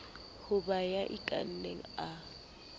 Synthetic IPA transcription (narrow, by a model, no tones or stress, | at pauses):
hʊbajaʔɪtʼa̰n̩neŋ̩a